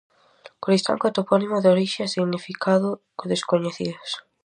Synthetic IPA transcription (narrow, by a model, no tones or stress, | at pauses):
koɾist̪a̰ŋkat̪opɔnimoðoɾiʃeasiɣnifikʰaðʊkoðeskoɲeθiðʊs